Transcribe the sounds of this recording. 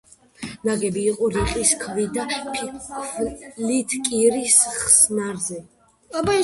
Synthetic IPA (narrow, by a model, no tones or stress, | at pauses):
naɡɛbiːqʼɔɾiqʼiskʰvid̪apʰ | lit̪ʰkʼiɾisχsnaɾzɛ | b